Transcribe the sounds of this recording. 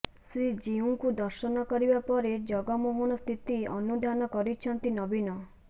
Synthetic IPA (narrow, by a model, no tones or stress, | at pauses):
sɾid͡ʒiuŋkud̪ɔɾʃɔnɔkɔɾibapɔɾed͡ʒɔɡɔmuɦunɔst̪ʰit̪iɔnud̪ʱanɔkɔɾit͡ʃʰɔnt̪inɔbinɔ